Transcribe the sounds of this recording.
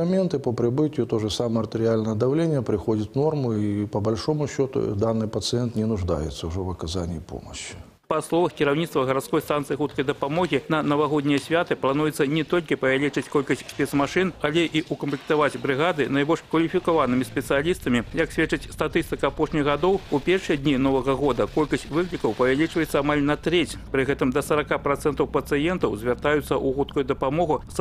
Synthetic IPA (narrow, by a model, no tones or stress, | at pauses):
ɐmʲent̪ɨpəpɾʲɪbɨtʲɪjʊt̪oʐɨsaməɐrt̪əɾʲɪalʲnəjəd̪ɐvlʲenʲɪjəpɾʲɪxodʲɪt̪normʊipəbɐlʲʂo̞mʊɕːo̞t̪ʊ̰d̪anːɨjpət̪sɨɛnt̪nʲɪnʊʐd̪a̰jɪ̰t̪səʊʐɛvɐkɐzanʲɪːpo̰mə̰ɕːɪ̥ | pɐslˠɔvɐxkʲiɾawnʲit̪t̪vɐɣɐɾat̪skɔjst̪ant̪sɨixut̪̚kɐjd̪ɐpamɔɣʲinɐnɐvaɣod̪ʲnʲijɐsʲvʲat̪ɨplˠanujɛt̪sːɐnʲɛt̪olʲkʲipɐvʲalʲit͡ʂɨt͡sʲkolʲkɐsʲtʲsʲpʲɛt̪smaʂɨnalʲɛʔiʔukɐmplʲik̚t̪avad͡zʲbɾɨɣad̪ɨnajbɔlʲʂkvɐlʲifʲikavanɨmʲisʲpʲɛt̪sɨjalʲist̪ɐmʲijɐksʲvʲɛt͡ʂɐt͡sʲst̪at̪ɨst̪ɨkɐapɔʂnʲijɣad̪ɔwupʲɛrʂɨjɐd̪ʲnʲinɔvɐɣɐɣɔd̪ɐkɔlʲkɐsʲt͡sʲvɨklʲikɐwpɐvʲalʲit͡ʂvɐjɛt̪sːɐamalʲnɐt̪ɾɛt͡sʲpɾɨɣɛt̪ɨmd̪ɐsɐɾakapɾat̪sɛnt̪ɐwpɐt̪sɨjɛnt̪ɐwzʲvʲart̪ajut̪sːɐʔuɣut̪kujud̪ɐpamɔɣus